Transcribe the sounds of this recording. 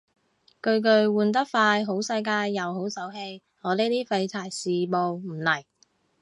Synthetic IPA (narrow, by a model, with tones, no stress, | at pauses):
kɵ˧ɥk̬ɵ˧ɥwuː˨˩nt̪ɐ˥k̚faː˧jɦo˨˥wsɐ˧jkaː˧jːɐ˨wɦo˨˥wsɐ˨˥wɦe˧j | ŋɔː˨˧leː˥t̪iː˥fɐ˧jt̪ʰaː˨˩jsiː˨˩mo˨wm̩˨˩lɐ˨˩j